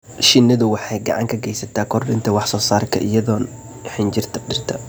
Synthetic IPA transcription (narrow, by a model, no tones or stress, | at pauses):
ʃɪnːɐðʊwɑħɑjɡɑ̰ʕɑ̰ŋkʰɐɡɛjsɐt̪ʰaːkʰɔrɖɪnt̪ʰɐwɑħsɔːsaːrkʰɐ̰ʔɪ̰jɐðɔːn | ħɪnd͡ʒɪrt̪ʰɐɖɪrt̪ʰɐ